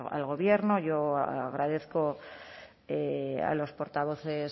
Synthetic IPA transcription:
a̰lɣo̞βje̞ɾnoʝo̞a̰ɣɾaðeθko̞ | ea̰lo̞spo̞ɾt̪aβ̞o̞θe̞s

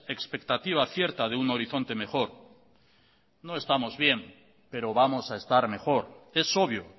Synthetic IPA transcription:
e̞kspe̞k̚t̪at̪iβ̞aθje̞ɾt̪að̞euno̞ɾiθo̞nt̪e̞me̞xo̞ɾ | no̞e̞st̪amo̞zβje̞m | pe̞ɾo̞βamo̞sae̞st̪aɾme̞xo̞ɾe̞so̞β̞jo

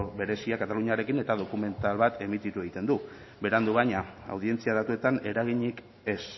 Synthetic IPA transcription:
be̞ɾe̞siakat̪aluɲaɾe̞kine̞t̪að̞o̞kume̞nt̪alβat̪ʰe̞mit̪it̪ue̞ɣ̞it̪e̞nd̪u | be̞ɾand̪uβajɲaa̰wðie̞nt͡siað̞at̪ue̞t̪ane̞ɾaɣiɲik | e̞s

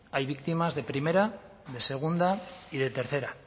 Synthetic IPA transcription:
ajβikt̪imazðe̞pɾime̞ɾa | ðe̞se̞ɣ̞und̪aiðe̞t̪e̞ɾθe̞ɾa

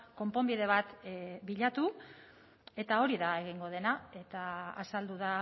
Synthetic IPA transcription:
ko̞mpo̞mbiðe̞β̞at̪biʎat̪u | e̞t̪ao̞ɾiðae̞ɣ̞iŋɡo̞ð̞e̞nae̞t̪a̰ːsald̪uð̞a

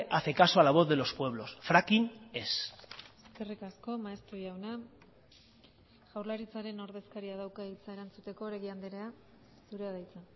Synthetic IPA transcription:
ʔaθe̞kasoalaβ̞o̞θðe̞lo̞spwe̞β̞lo̞sfɾakine̞seske̞rikasko̞maest̪ɾoʝawna | ʝ̥awɾlaɾit͡saɾe̞no̞ɾðe̞skaɾiað̞awkait͡sae̞ɾant͡sut̪e̞ko̞ɾeɣiand̪eɾea | suɾe̞aðajt͡sa

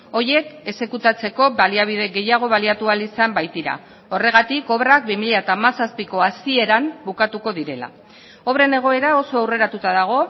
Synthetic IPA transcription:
o̞je̞ke̞se̞kut̪at͡se̞ko̞baliaβ̞iðe̞ɣe̞jaɣ̞o̞β̞aliat̪ualisambajt̪iɾa̰ | ore̞ɣ̞at̪iko̞βɾak̚bimiʎaet̪amasaspiko̞asie̞ɾambukat̪uko̞ðiɾe̞la̰ | o̞βɾe̞ne̞ɣ̞o̞e̞ɾao̞so̞awre̞ɾat̪ut̪aðaɣ̞o̞

